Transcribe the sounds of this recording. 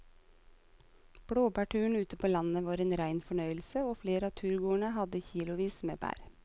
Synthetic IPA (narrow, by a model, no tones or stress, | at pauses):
b̥ɽoːbæːʈʉːɳ̩ʉːt̪əpʰoːlɑnəʋɑːɾeːnɾæɪnfɔɳœʏəl̩səoːfleːɾəɑːt̪ʰʉːɾɡuːəɳəhɑd̪əçiːlʊʋiːsmḛːbæ̰ːɾ